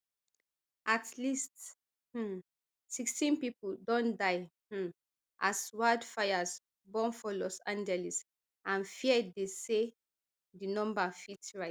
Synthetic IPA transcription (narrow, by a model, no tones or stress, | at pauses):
ʔatʰlist | h̩ | sikstĩnpipudɔ̃ndaɪ | ʔaswadfajas | bɔ̃nfɔlɔsãnd͡ʒɛlis | ʔãnfiɛdese | dinɔ̃mbafitɹaɪ